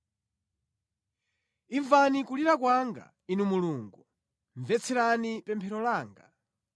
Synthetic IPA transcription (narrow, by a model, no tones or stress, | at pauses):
iɱvanikuliɾakwaŋɡa̰ | inumuluːŋɡu | ɱvɛt͡sʰɛɾanipɛmpʰɛɾɔlaːŋɡa